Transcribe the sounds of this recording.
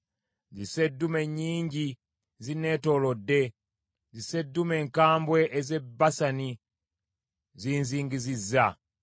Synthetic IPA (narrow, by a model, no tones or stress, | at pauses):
zise̞dːume̞ɲːiːɲɟi | zine̞ːto̞lodːe̞ | zise̞dːume̞ːŋkaːmbwe̞ʔeze̞basani | ziːnziːŋɡizizːa